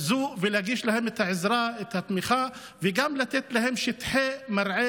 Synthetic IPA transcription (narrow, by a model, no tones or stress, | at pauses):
zuʔvelaɡiːʃlahemet̪haʕɪzɾaet̪hat̪mixa | veɡamlat̪et̪lahemʃɪt̪ħemaɾˤʕe